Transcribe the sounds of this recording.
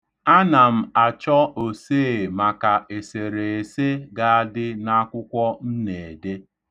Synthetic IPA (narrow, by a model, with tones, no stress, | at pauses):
a˦na˨m̩˨a˨t͡ʃɔ˦o˨seː˦˨ma˨ka˨e˨se˨ɾe˨e˨se˦ɡa˦a˦dɪ˦na˦kʷʊ˦kʷɔ˦n̩˦ne˨de˦